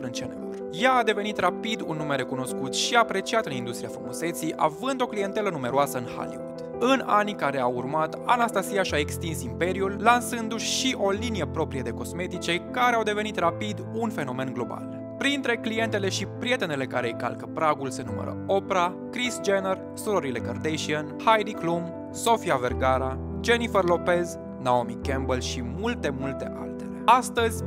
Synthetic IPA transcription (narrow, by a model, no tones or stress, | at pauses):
pɾɨnt͡ʃenemo̰rjaːd̪e̞ve̞nit̪rapid̪unːume̞ɾe̞kuno̞skut̪ʃiapɾe̞t͡ʃiat̪ɨnind̪ust̪ɾiafɾomuse̞t̪siʔa̰vɨnd̪o̞klije̞nt̪e̞lənume̞ɾoasəɨnha̰lḭwṵd̪̥ | ɨna̰nikaɾe̞aurmat̪a̰nast̪asijaʃae̞kst̪insimpe̞ɾiulːansɨnd̪uʃʃiʔo̞linije̞pɾo̞pɾijed̪e̞ko̞sme̞t̪it͡ʃe̞kaɾeawd̪e̞ve̞nit̪rapid̪unfe̞no̞me̞nɡlo̞ba̰l | pɾint̪ɾe̞klije̞nt̪e̞le̞ʃipɾije̞t̪e̞ne̞le̞kaɾejka̰lkəpɾaɡulse̞numə̰ɾə̰o̞pɾa | kɾisd͡ʒener | suɾo̞ɾilekart̪ejʃiənhajd̪iklum | so̞fiaverɡaɾa | d͡ʒe̞niferlo̞pe̞z | naomikembəlʃimult̪e̞mult̪e̞̰ʔa̰lt̪e̞le̞ast̪əzʲ